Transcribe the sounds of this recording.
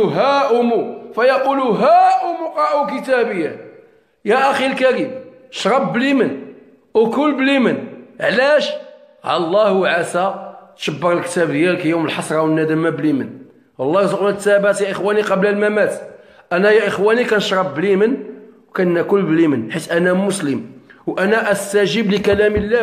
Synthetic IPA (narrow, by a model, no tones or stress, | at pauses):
ɦæʔʊmufæjɑquluɦæʔʊmːuqɑʔuk̬ət̪æbəjːæ | jæʔæxilkæɾim | ʃɾˤɑbːlimən | kʊlːblimənʕlæʃ | ʕɑlˤːɑhuwʕasæt̪ʃəbːəɾəlkt̪æbd̪jælkæjuməlħɑsˤɾˤɑwənːæd̪əmæblimən | wɑlˤːɑɾzəqlnæt̪ːæbæt̪jæʔəxwæniqɑbləlmæmæt̪ | ʔænæjæʔəxwænikænʃɾˤɑbːlimən | wkænnːækʊlːblimənħit̪ʔænæmʊsləmwʔænæʔæst̪æʒəbləkælæməlːæ